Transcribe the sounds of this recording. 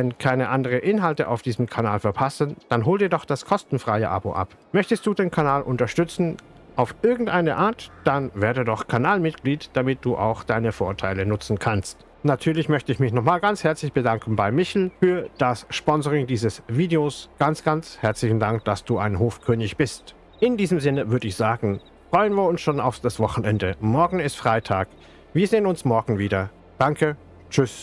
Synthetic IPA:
vɛnkʰaɪnəʔandəʁəʔɪnɦaltəʔa̰ʊfd̥iːzəm̩kʰanaːlfɛɐpʰasənd̥anɦoːldiːɐdɔχd̥askʰɔstn̩fʁ̥aɪə̰ʔa̰bo̰ːʔa̰p | mœçtəst̚d̥uːdeːnkʰanaːlʔʊntɐʃtʏt͡sn̩ | ʔaʊfʔɪɐɡŋ̩tʔaɪnəʔaːɐtd̥anvɛːɐdədɔχkʰanaːlmɪt̚ɡ̥liːtd̥amɪt̚d̥uːʔa̰ʊxd̥aɪnəfoːɐtʰaɪlənʊt͡sn̩kʰanst | natʰyːɐlɪçmœçtəɪçmɪçnɔχmaːlɡant͡shɛɐt͡slɪçb̥ədaŋkn̩baɪmɪçl̩fyːɐd̥asʃpɔnzəʁɪŋdiːzəsviːdeoːsɡ̥ant͡sɡ̥ant͡shɛɐt͡slɪçn̩daŋk̚d̥asd̥uːʔaɪnɦoːfkʰøːnɪçb̥ɪst | ʔɪndiːzəmzɪnəvʏɐdəɪçz̥aːɡŋ̩ | fʁ̥ɔʏənviːɐʊnsʃoːna̰ʊfd̥asv̥ɔχn̩ʔɛndəmɔɐɡŋ̩ɪstfʁ̥aɪtʰaːk | viːɐzeːənʊnsmɔɐɡŋ̩viːdɐ | d̥aŋkʰə | t͡ʃʏs

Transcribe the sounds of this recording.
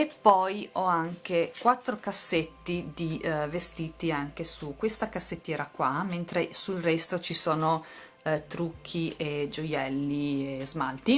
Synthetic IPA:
epːɔjɔaŋk̟ekwat̪ːɾokasːet̪ːid̪ivest̪iːt̪iaŋkesukwest̪akasːet̪ːjɛːɾakwament̪ɾesulrɛst̪ot͡ʃisoːno | t̪ɾukʰːiʔed͡ʒojɛlːiezmalt̪i

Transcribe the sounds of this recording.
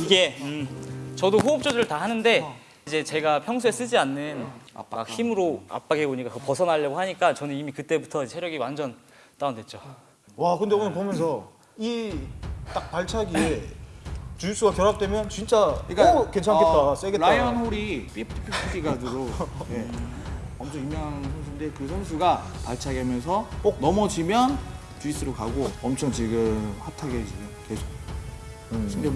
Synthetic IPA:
iɡe̞ɯt͡ɕʌdoɸuːp̚t͡ɕ͈ʌdɯɾɯɭtahanɯnde̞ | id͡ʑe̞t͡ɕe̞ɡapʰjʌŋs̬ʰues͈ɯd͡ʑianːɯn̰a̰kçimɯɾoa̰p͈aɡɦeboɲik͈akɯpʌsʰʌnaʎːʌɡoɦhaɲik͈at͡ɕʌnɯnimikɯt͈e̞butʰʌid͡ʑsʰeɾjʌɡiwand͡ʑʌn | t͈andwe̞t̚t͡ɕ͈o | wakɯndeoɯnpomjʌnsʰʌ | i | t͈ak̚paɭt͡ɕʰaɡie | t͡ɕuis͈ʰuɡakjʌɾɦak̚t͈e̞mjʌnt͡ɕint͡ɕ͈aikːke̞nt͡ɕʰaŋkett͈as͈eɡe̞ɾaajʌnɸoɾip͈ipʰpʰipʰip͈iɡad͡ʑiɡoje̞ | ʌmt͡ɕʰʌŋimjʌŋɦansʰʌnsʰuinde̞kɯsʰʌns̬ʰuɡapaɭt͡ɕʰaɡeamjʌnsʰʌonʌmʌd͡ʑimjʌn | t͡ɕuis͈ɯɾokaɡoʌmt͡ɕʰʌŋt͡ɕiɡɯmhatʰaɡed͡ʑiotesʰo | ɕʰind͡ʑe

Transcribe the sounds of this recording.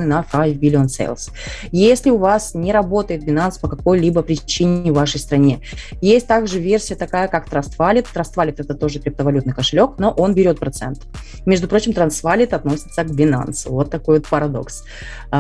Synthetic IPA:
nɨnafajvʲbʲɪlʲɪonsḛlˠs | jesʲlʲɪʊvasnʲɪɾɐbo̞t̪əjɪt̪̚bʲɪnanspəkɐko̞jlʲibəpɾʲɪt͡ɕinʲɪvvaʂəjst̪ɾɐnʲe | jesʲt̚ʲt̪aɡʐɨvʲersʲɪjət̪ɐkajəkakt̪ɾɐst̪valʲɪt̪ːɾɐst̪valʲɪt̪ɛt̪ət̪o̞ʐɨkɾʲɪp̚t̪əvɐlʲut̪nɨjkəʂɨlʲo̞kno̞ʔo̞nbʲɪɾʲo̞t̪̚pɾɐt̪sɛ̰nt̪ | mʲeʐd̪ʊpɾot͡ɕɪmt̪ɾɐnsvalʲɪt̪ɐt̪no̞sʲɪ̥t̪səɡbʲɪna̰nsʊ̰vo̞t̪ːɐko̞jvot̪pəɾɐd̪o̞̰ks

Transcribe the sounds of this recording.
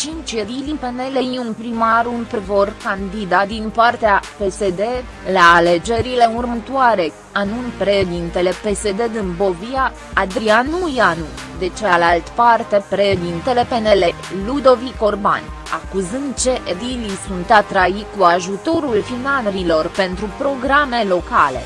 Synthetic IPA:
t͡ʃint͡ʃjedilipe̞ne̞lejunpɾimaɾunpvorkand̪id̪ad̪inpart̪eape̞se̞d̪e̞ | laːle̞d͡ʒe̞ɾile̞urmət̪oaɾe̞ | anunpɾeʃed̪int̪e̞le̞pe̞se̞d̪e̞d̪ɨnbo̞viaː | d̪ɾianujanu | d̪e̞t͡ʃealalt̪part̪e̞pɾeʃed̪int̪e̞le̞pe̞ne̞le̞ | lud̪o̞viko̞rba̰n | a̰kuzɨnd̪̚t͡ʃe̞ʔed̪ilisunt̪at̪ɾaikuaʒut̪o̞ɾulfinaɾilo̞rpe̞nt̪ɾupɾo̞ɡɾame̞lo̞kale̞̰

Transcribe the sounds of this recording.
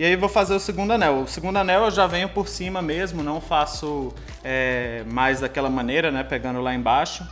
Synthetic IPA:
iaivowfazeɾʊsiɡũnd̪ʊɐnɛwʊsiɡũnd̪ʊanɛwewʒavẽɲʊpoɾsĩmɐmezmʊnɐ̃w̃fasʊ | ɛmajzd̪akɛlɐmɐ̃nejɾɐnɛpeɡɐ̃nd̪ʊlaẽbaʃʊ

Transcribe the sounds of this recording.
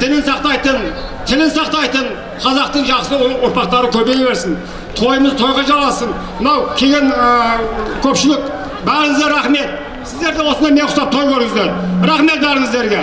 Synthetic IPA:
t̪ʰɪlɪnsɑqt̪ɑjt̪ən | t̪ʰɪlɪnsɑqt̪ɑjt̪ən | qʰɑzɑqt̪əɴʒɑqsəoɾpɑqt̪ɑɾəkʲʰɵɾbe̞jbe̞ɾsɪn | t̪ʰo̞jəməzt̪ʰo̞jʁɑʒɑlˠɑsən | mənɑwkʲʰe̞ɡʲe̞nəkʲʰɵpʃɪlɪk | bæɾɪŋəzd̪eɾɑχme̞t̪̚ | sɪzd̪e̞ɾɡ̪ʲewo̞sənɑjmeɴʰʊsɑp̚t̪ʰojkʲʰɵɾɪŋəzd̪eɾɾɑχme̞t̪̚bæɾɪŋəzd̪e̞ɾɡʲe̞

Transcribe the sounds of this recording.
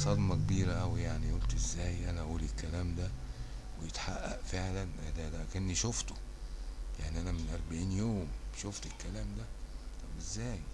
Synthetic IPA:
sˤɑd̪mɑkebiːɾæʔæwijaʕniʔolt̪ʔezːæːjʔænæʔæʔuːlikːælæːmd̪æ | wejet̪ħa̰ʔːæ̰ʔfeʕlænʔæd̪æd̪æʔkenːiʃoft̪o̥ | jaʕniʔænæmenʔɑɾˤbeʕiːnjoːmbʃoft̪elkːælæːmd̪æt̪ˤɑbʔezːæːj

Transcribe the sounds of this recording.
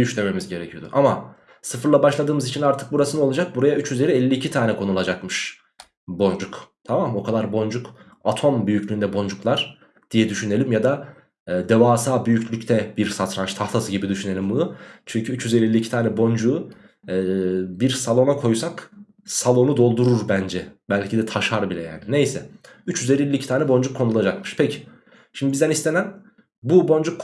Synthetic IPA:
jyʃlʲeme̞mizɟe̞ɾɛcʰijo̞d̪ṵʔama | sɯfɯɾlˠabaʃlˠad̪ɯːmɯzit͡ʃʰinaɾt̪ʰɯ̥k̚buɾasɯnolˠad͡ʒak̚buɾajayt͡ʃjyze̞ɾiɛlʲːiːcʰit̪ʰaːnɛkʰo̞nulˠad͡ʒakmɯʃ | bo̞nd͡ʒukt̪ʰamamo̞kʰad̪aɾbo̞nd͡ʒuk | at̪ʰo̞mbyjyclʲyːnd̪ɛbo̞nd͡ʒuklˠaɾ̥ | d̪̥ijɛd̪yʃynelʲimjad̪aː | d̪evaːsaːbyjyclʲycʲt̪ʰɛbiɾsat̪ɾanʃt̪ʰaft̪ʰasɯɟibid̪yʃyne̞lʲimbunut͡ʃʰyɲcʰyyt͡ʃjyzelʲiilʲːiːcʰit̪ʰaːnɛbo̞nd͡ʒuː | biɾsalˠo̞nakʰo̞jsak | salˠo̞nud̪o̞lˠd̪uɾuɾbænd͡ʒɛbælʲcʰid̪ɛt̪ʰaʃaɾbilʲɛ̰ja̰ːnine̞jsɛyt͡ʃjyze̞lʲilʲːiːcʰi̥t̪aːnɛbo̞nd͡ʒukʰːo̞nulˠad͡ʒakmɯʃpʰecʰi̥ | ʃimd̪ibizd̪ænist̪ʰenæn | bubo̞nd͡ʒukː

